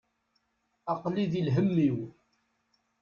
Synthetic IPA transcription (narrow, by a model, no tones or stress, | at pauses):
ɑqliðilɦəmːiw